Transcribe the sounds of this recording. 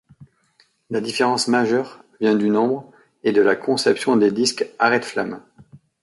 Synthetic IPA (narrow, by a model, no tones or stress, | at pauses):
lad̪ifeʁɑ̃smaʒœʁvjɛ̃d̪ynɔ̃bʁ | ed̪əlakɔ̃sɛpsjɔ̃d̪ed̪iskaʁɛt̪fla̰m